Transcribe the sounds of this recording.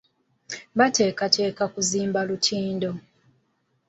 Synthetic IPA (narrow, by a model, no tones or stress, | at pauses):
βate̞ːkatʰe̞ːkakuziːmbalutʰiːndo̞